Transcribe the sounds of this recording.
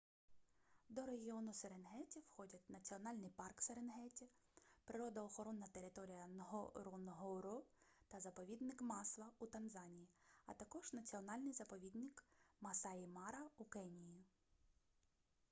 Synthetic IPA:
d̪ɔɾeɦʲiɔnʊseɾenɦɛtʲiwxɔdʲɐt̚ʲnɐt͡sʲiɔnɑlʲnɪjpɑrkseɾenɦɛtʲɐ | pɾɪɾɔd̪ɐɔxɔɾɔnːɐt̪e̞ɾɪt̪ɔɾʲijɐnɦɔɾɔnɦɔɾɔt̪ɐzɐpɔʋʲid̪nɪkmɑslˠɐut̪ɐnzɑnʲijiɐ̰t̪ɐkɔʒ̥nɐt͡sʲiɔnɑlʲnɪjzɐpɔʋʲid̪nɪkmɐsɑimɑɾɐukɛnʲiji

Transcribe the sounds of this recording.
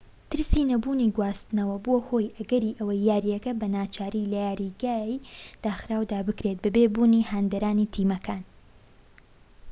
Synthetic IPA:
t̪ʰɨɾsiːnɐbuːniɡwaːst̪ɨnɐwɐboːho̞ːjʔɐɡɐɾiːʔɐwɐjːaːɾijɐkɐbɐnaːt͡ʃʰaːɾilɐjaːɾiɡaːjd̪̥aːxɾaːwd̪aːbɨkɾet̪̚bɐbebuːniːhaːnd̪ɐɾaːnit̪ʰiːmɐkʰaːn

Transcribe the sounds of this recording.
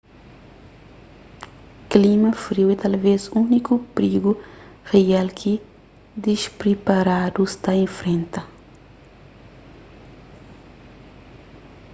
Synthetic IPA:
klimɐfɾiwet̪alvezunikupɾiɡu | realkʰi | d̪iʃpɾipaɾad̪ust̪aẽfɾẽnt̪ɐ

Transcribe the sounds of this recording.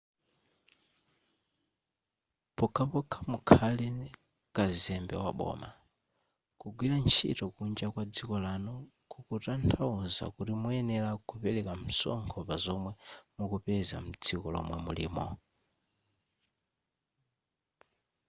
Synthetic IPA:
pɔkʰapɔkʰamukʰalɛ | kazɛmbɛwaɓɔ̰ːma | kuɡwilant͡ʃʰḭtɔkund͡ʒakwad͡zikɔlanɔ | kʰukutantʰauza̰kutimuɛnɛlakupɛlɛkam̩sɔ̰ŋkʰɔpazɔmwɛmukupɛza̰m̩d͡zikɔlɔ̰mwɛmṵlḭːmɔ̰

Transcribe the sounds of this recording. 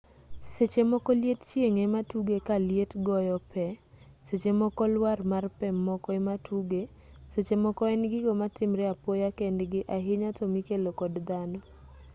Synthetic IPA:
set͡ʃemɔkɔljett͡ʃjeŋɛmatuɡekaljetɡɔjɔpɛ | set͡ʃemɔkɔlwarmarpɛmɔkɔɛmatʰuɡe | set͡ʃemɔkɔɛnɡɪɡɔmatɪmɾɛapɔjakɛndɡɪʔaɦɪɲatɔmikelokɔdd̪anɔ

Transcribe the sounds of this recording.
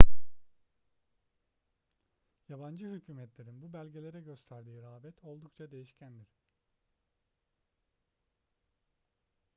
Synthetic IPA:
jaband͡ʒɯɦycʰyːmɛt̪lʲe̞ɾinbubælʲɟe̞lʲe̞ɾɛɟø̞st̪ʰæɾd̪iːɾaːbɛt̪ʰo̞lˠd̪ukt͡ʃʰad̪e̞jiʃcʰænd̪iɾ̥

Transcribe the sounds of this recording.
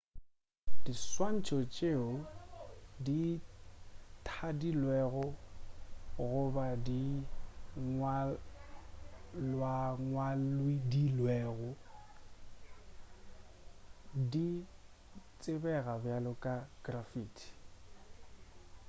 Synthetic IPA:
diswan̩t͡ʃʼɔt͡ʃʼeʊ | di | tʰadilwɛɣʊ | ɣʊbadi | ŋwa | lwaŋwalwidilwɛːɣʊ | di | t͡sʼɪbɛɣabjalʊkʼaɡ̥rafiːtʰi̥

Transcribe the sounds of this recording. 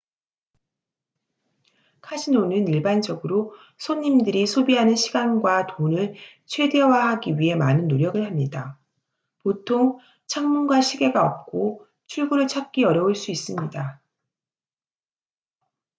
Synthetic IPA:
kʰad͡ʑʰinonɯniɭband͡ʑʌɡɯɾo | sʰoɲːimdɯɾisʰobiɦanɯnɕʰiɡanɡwatonɯɭ | t͡ɕʰwe̞de̞waɦaɡiɥiɦe̞manɯnːoɾjʌɡɯɭhamɲida | potʰoŋ | t͡ɕʰaŋmunɡwaɕʰiɡe̞ɡaʌp̚k͈o | t͡ɕʰuɭɡuɾɯɭt͡ɕʰak̚k͈iʌɾjʌuɭs͈uis͈ɯmɲida

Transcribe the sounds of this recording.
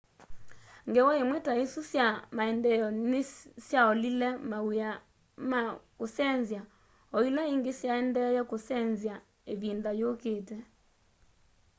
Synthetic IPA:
ŋɡewɔemwɛtaesusjamaɛndɛjɔnesjaɔlilɛmaa | makosɛnzja | ɔilaiŋɡesjaɛndɛjɛkosɛnzja | eβindajokeːtɛ

